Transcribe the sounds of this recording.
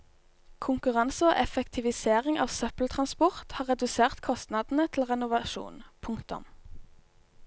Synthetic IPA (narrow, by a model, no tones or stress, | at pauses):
kʰʊŋkʉʁɑnsəo̰ːʔɛfɛkt̪ʰɪʋɪseːʁɪŋɑ̰ːʋsœpl̩t̪ʰʁɑnspɔʁt̪hɑːʁɛd̪ʉseːʁt̪kʰɔst̪nɑd̪n̩ət̪ʰl̩ʁɛnʊʋɑʃṵːnpʰʊŋkt̪ʊ̰m